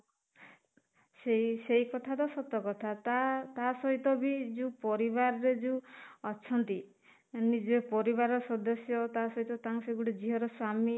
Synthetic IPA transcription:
seisejkɔt̪ʰad̪ɔsɔt̪ːɔkɔt̪ʰat̪at̪asɔɦit̪ɔbid͡ʒũpɔɾibaɾɔɾed͡ʒuɔt͡ʃʰɔnt̪i | nid͡ʒepɔɾibaɾɔsɔd̪ɔsjɔt̪asɔɦit̪ɔt̪aŋsɔiɡuɽid͡ʒiɦɔɾɔswami

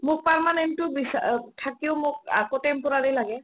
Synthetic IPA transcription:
mʊk̚paɹmanentʊbisatʰakiʊmʊka̰kotɛmpʊɹaɹilaɡɛ

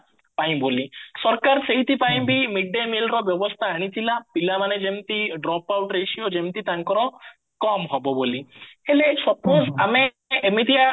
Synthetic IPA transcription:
pãĩbolisɔɾkaɾseɦit̪ʰipãĩbʱimiɖːemelɾɔbjɔʋɔst̪ʰaɦəɽ̃it̪ʰilapilamaned͡ʒemt̪iɖɾɔpawʈɾeʃiod͡ʒemt̪it̪aŋkɔɾɔ | kɔmɦɔbɔbolihelesɔpozame | emit̪ia

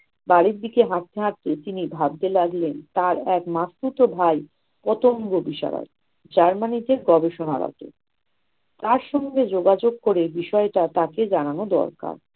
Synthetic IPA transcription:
baɾiɾd̪ikeɦat̪ʰːeɦat̪ːet̪inibʱab̚d̪elaɡlent̪aɾɛkmasput̪obʱaj | pɔt̪oŋɡobiʃa̰ɾa̰ | d͡ʑaɾmanid̪eɾɡɔbeʃonaɾɔ̰t̪ḛ | t̪aɾʃɔŋɡed͡ʑoɡad͡ʑoɡ̚koɾebiʃɔeʈat̪aked͡ʑananod̪ɔ̰ɾka̰ɾ

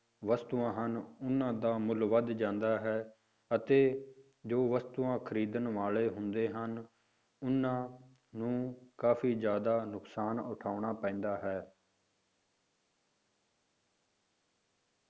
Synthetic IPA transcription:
ʋəst̪uːãːɦənʊnːãːd̪aːmʊlʋəd̪d͡ʒãːnd̪aːɦɛː | ət̪eː | d͡ʒoːʋəst̪uːãːkʰəɾiːd̪ənʋaːleːɦʊnd̪eːɦən | ʊnːãː | nũːkaːfʰiːd͡ʒjaːd̪aːnʊksaːnʊʈʰaːʊɳaːpɛ̃ːnd̪aːɦɛː

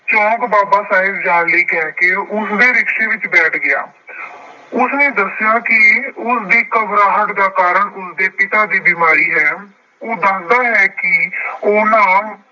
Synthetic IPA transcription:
t͡ʃɔ̃ːkbaːbaːsaːɦɪbd͡ʒaːnliːkɛːkeːʊsd̪eːɾɪkʃeːʋɪt͡ʃbɛːʈʰɡɪja̰ː | ʊsnẽːd̪əsjaːkɪʊsd̪iːkəbɾaːɦəʈd̪aːkaːɾəɳʊsd̪eːpɪt̪aːd̪iːbɪmaːɾiːɦɛː | oːd̪aːnd̪aːɦɛːkɪoːnãː

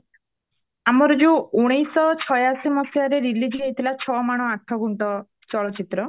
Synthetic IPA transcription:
amɔɾɔd͡ʒuuɽ̃ijsɔt͡ʃʰɔjasimɔsijaɾeɾilid͡ʒiɦejt̪ʰilat͡ʃʰɔmaɽ̃ɔaʈʰɔɡuɳʈɔ | t͡ʃɔlɔt͡ʃit̪ɾɔ

